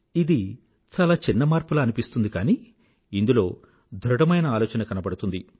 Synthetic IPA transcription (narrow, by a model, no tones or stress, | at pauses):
id̪i | t͡ʃaːlaːt͡ʃinːɐmaːɾpulɐɐnipist̪und̪ikaːniː | ind̪ulo̞ː | d̪ʱɾuɽɐmɐjnɐaːlɔːt͡ʃɐnɐkɐnɐbɐɽut̪und̪i